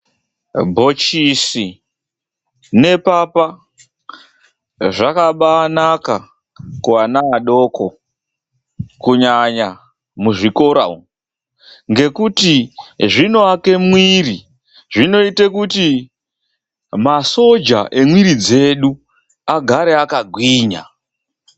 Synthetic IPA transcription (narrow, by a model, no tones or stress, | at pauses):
bʱo̞t͡ʃisi | ne̞papa | ʐakaɓaːnaka | kuanaːɗo̞ːko̞ | kuɲaɲa | muʐiko̞ɾa̰u | ŋɡe̞kutiʐino̞ake̞mwiri | ʐino̞itekuti | maso̞d͡ʒa̰ʔe̞mwiɾid͡ze̞ɗu | aɡʱaɾeakaɡʱwiːɲa̰